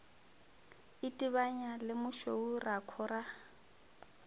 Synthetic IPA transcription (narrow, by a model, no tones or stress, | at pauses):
ɪtʼiβaɲalɪmʊʃourakʰɔra